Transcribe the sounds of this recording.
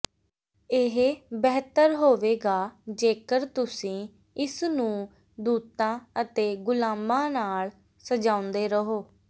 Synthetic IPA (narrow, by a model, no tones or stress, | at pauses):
ɪɦbɛːɦt̪əɾɦoːʋeːɡaːd͡ʒeːkəɾt̪ʊsĩː | ɪsnũː | d̪uːt̪ãːət̪eːɡʊlaːmbãːnaːɭ | səd͡ʒãːʊ̃nd̪eːɾəɦoː